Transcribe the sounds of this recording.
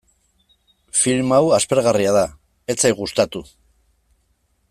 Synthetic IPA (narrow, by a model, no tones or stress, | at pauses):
filmawaspe̞ɾɣariaða | e̞t͡sajɣust̪at̪u